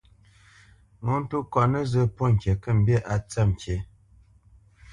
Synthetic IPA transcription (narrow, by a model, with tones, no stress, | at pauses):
ŋo˨˦n̩˦tu˦kwa˨nə˦zə˦po˦˨ŋ̩˨kʲje˨kə˦˨m̩˦bje˦˨ʔa˨t͡sa˦˨m˨kje˨˦